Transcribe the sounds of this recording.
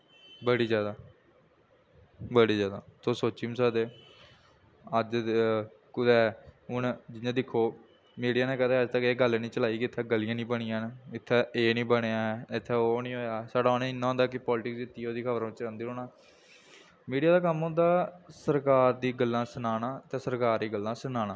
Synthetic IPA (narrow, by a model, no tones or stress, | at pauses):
bəɽiːd͡ʒjaːd̪aː | bəɽiːzjaːd̪a̰ːt̪oːsoːt͡ʃːiːmsaːd̪eː | əd͡ʒ | kʊd̪ɛːʊnd͡ʒɪjãːd̪ɪkʰːoː | miːɖijaːnẽːkɛːt̪ʰːəd͡ʒt̪əkeːɡəlnĩːt͡ʃəlaːiːkɪɪt̪ʰːɛːɡəlɪjãːnĩːbəɽ̃ɪjãːnɪt̪ʰːeːeːnĩːbəɽ̃eːãːɪt̪ʰːɛːonĩːɦoːjaːsaːɖaːonẽːɪnːãːɦõːnd̪aːkɪpɔːlʈɪksiɪt̪ːiːoːd̪iːkʰəbəɾ̃ːɪt͡ʃãːnd̪iːɾoːnaː | miːɖijaːd̪aːk̬əmõnd̪aːsəɾkaːɾd̪iːɡəlːãːsənaːnãːət̪ẽːsəɾkaːɾd̪iːɡəlːãːsənaːñãː